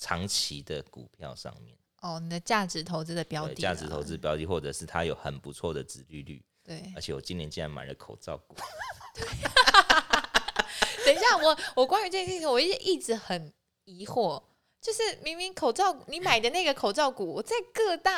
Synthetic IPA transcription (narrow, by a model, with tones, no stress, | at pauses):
ʈ͡ʂʰɑ˧˥ŋt͡ɕʰi˧˦d̪ə˨kṵ˨˩pʰjɑ̰˥˧ʊʂɑ̰˥˧ŋmjɛ̰˥˩n | ɔ˥˩ni˨˩d̪ə˦t͡ɕja˥˩ʈ͡ʂɻ̩˧˥t̪ʰo˧˥ʊt͡sɹ̩˥˩d̪ə˨˩pjɑ˧˥ʊi˨t͡ɕa̰˥˩ʈ͡ʂɻ̩˧˥t̪ʰo˧˦ʊtt͡sɹ̩˥˧ə˩pjɑ˧˥ʊt̪i˨˩xwɔ˥˩ʈ͡ʂɤ˨˩ʂɻ̩˥˩t̪ʰa˦jo˨˧˦ʊxə˨˩npu˧˦t͡sʰwɔ˥˩d̪ə˨˩ʈ͡ʂɻ̩˨˧˦ly˥˧ly̰˥˩ | t̪we˥˩ɪə˧˥t͡ɕʰjɛ˨˩wɔ̰˨˩t͡ɕi˥njɛ˧˦nt͡ɕi˦˥nɻa̰˧˥nma̰˨˩ɪlə˦kʰo˨˩ʊʈ͡ʂɑ̰˥˩ʊku˨˩˦t̪we˥˩ | sə˨˩nɕja˥˩wɔ˨˩wɔ˨˩kwa˥ny˧˥ʈ͡ʂɤ˥˩ɡə˧˩ɕi˥˧i˨˩wɔ˨˩i˥˩ɛ˨˩ʔi˥˩ʈ͡ʂɻ̩˧˥xə˨˩n | i˧˥xwɔ˥˩ | t͡ɕjo˥˧ʂɻ̩˥˩mi˧˥ŋmi˧˥ŋkʰo˨˩ʊt͡sɑ˥˩ʊku˨˩ni˨˥˦ma˨˩ɪd̪ə˦na˥˩ɡə˩kʰo˨˩ʊt͡sɑ˥˩ʊku˨˩˦wɔ˨˩t͡sa˥˧ɪkɤ˥˧t̪a˥˩